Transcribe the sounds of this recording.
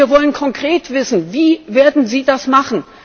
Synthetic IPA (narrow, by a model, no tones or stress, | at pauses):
ɐvɔlənkʰɔŋkʁ̥eːtv̥ɪsn̩viːveːɐdn̩ziːdasmaχn̩